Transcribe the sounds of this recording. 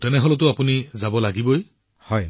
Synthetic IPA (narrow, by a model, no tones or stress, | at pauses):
tɛnɛɦɔlɔtʊapunizabɔlaɡiboj | hɔj